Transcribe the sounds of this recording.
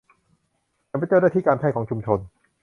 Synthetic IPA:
a˧˩pa˧˥jt͡ɕa˥˩naː˥˩t̪ʰiː˥˩kaː˧npʰɛː˥˩kʰɔː˩˦ŋt͡ɕʰu˧mt͡ɕʰo˧n

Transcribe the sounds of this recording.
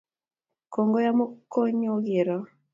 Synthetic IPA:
ko˨ŋɡo˦ja˦mo˦kːo˦ɲo˦ɡi˨ɾɔ˨

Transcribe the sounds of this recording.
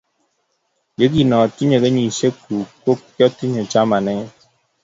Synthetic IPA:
ɡe˨˦ɡi˦˨nɔ̃˨tu˦ɲe˨ɡe˦ɲi˨se˦ku˨ko˦kjɔ˦ti˦ɲo˨t͡ʃa˦ma˨nɛ˦

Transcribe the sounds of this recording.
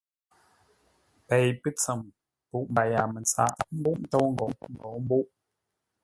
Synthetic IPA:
pe˨jpə˦t͡sə˨m | pu˨ʔmba˨ja˨mə˨nt͡sa̰˨ʔm̩˦bu˦ʔ̩˦to˦wŋ̩˦ɡo˨˦n̩˨ɡo˨˦m̩˦bu˦ʔ

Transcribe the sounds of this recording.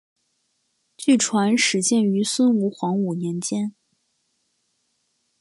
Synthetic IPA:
t͡ɕy˥˩ʈ͡ʂʰwa˧˥nʂɻ̩˧˥t͡ɕjɛ˥˩ny˧˥swə˥nu˧˥xwɑ˧˥ŋu˨˩njɛ˧˥nt͡ɕjɛ˥n

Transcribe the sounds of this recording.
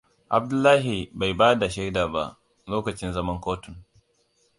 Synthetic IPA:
ʔa˨b̚dʊ˦lːaː˦ɦi˨ba˨jbaː˦da˨ʃɛ˦daː˨ba̰˦ʔ | loː˦kɐ˨t͡ʃɪ˦nzɐ˦mɐ˦ŋkʷoː˦tʊ˨n

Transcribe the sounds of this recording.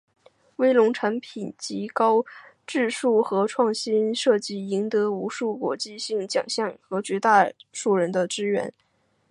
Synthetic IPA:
we˥ɪlʊ˧˥ŋʈ͡ʂʰa˧˥npʰi˨˩nt͡ɕi˧˥kɑ˥ʊ | ʈ͡ʂɻ̩˥˧ʂu˥˩xɤ˧˥ʈ͡ʂʰwɑ˥˩ŋɕi˥nʂɤ˥˩t͡ɕi˥˩i˧˥ŋt̪ɤ˧˥u˧˥ʂu˥˩kwɔ̰˧˥t͡ɕi˥˧ɕi˥˩ŋt͡ɕjɑ̰˨˩ŋɕjɑ˥˩ŋxɤ˧˥t͡ɕɥɛ˧˥t̪a˥˧ʂu˥˩ɻə˧˥nd̪ə˧ʈ͡ʂɻ̩˥ɥɛ̰˧˥n

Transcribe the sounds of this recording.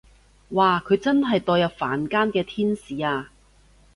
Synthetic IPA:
waː˨kʰɵ˨˧ɥt͡sɐ˥nɦɐ˨jt̪ɔː˧jɐ˨p̚fa̰ː˨˥nkaː˥nkɛː˧t̪ʰiː˥nsiː˨aː˧

